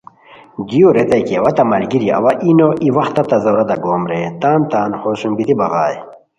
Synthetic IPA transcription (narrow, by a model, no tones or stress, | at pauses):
d̪ioɾet̪ɐjkiɐwɐt̪ɐmɐlɡiɾj̰ʔɐ̰wɐʔinoʔiwɐxt̪ɐt̪ɐzɐwɾɐd̪ɐɡoːmɾet̪aːnt̪aːnχoːɕumbit̪ibɐɣaːj